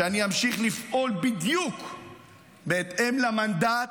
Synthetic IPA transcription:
eaniamʃiχlifʔolbid̪juk | beːt̪e̞mlamand̪a

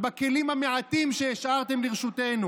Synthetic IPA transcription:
bake̞limhameʕat̪imʃejeʃʔaʁt̪e̞mliʁʃute̞nu

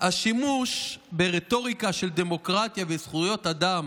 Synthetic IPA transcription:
haʃimuʃbeʁet̪o̞ʁikaʃeld̪e̞mo̞kʁat̪javesχujo̞t̪ad̪am

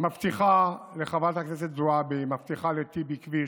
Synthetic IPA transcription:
maft̪iχaleχavat̪haknes̬et̪zuabemaft̪iχalet̪ibikvi

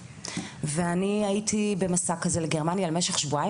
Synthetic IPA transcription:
veaniaitʰibe̞masakazeleɡe̞ʁmanjalemeʃeχʃvua

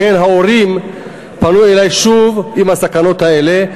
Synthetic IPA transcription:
enɦao̞ʁim | panujelajʃuvimasakano̞t̪ae̞le̞

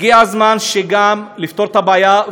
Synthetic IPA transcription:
iazmanʃeɡamlift̪o̞ʁt̪abaːja

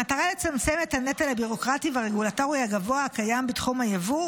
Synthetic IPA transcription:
at̪aʁale̞t͡samt͡semethanet̪alhabiʁo̞kʁativaʁeɡulato̞ʁihaɡavoaakajambitχumhajavu

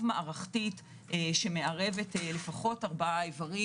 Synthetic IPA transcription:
vmaʔaʁaχtit | eʃeme̞ʔaʁe̞ve̞tele̞faχo̞taʁbaevaʁi

